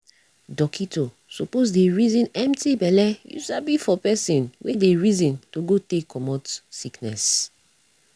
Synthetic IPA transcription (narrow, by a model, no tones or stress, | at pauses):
dɔkʰito | sopozdeɹizĩnɛ̃mtibɛlɛjṵʃabifɔpɛsĩnwʔedeɹizĩntoɡotekːɔmɔtsiknɛ̰s